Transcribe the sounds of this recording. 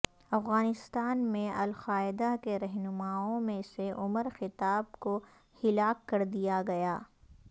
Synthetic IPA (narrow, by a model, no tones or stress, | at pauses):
ɐfɣaːnɪst̪aːnmẽɐlxaːɪd̪akeɾɛɦnʊmaːõmẽseʔʊməɾxɪt̪aːb̚ko | hɪlaːkːɐɾd̪ijaɡɐjaː